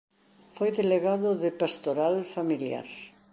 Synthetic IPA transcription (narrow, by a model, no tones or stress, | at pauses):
fojðeleɣaðʊðɪpast̪oɾalfamilja̰ɾ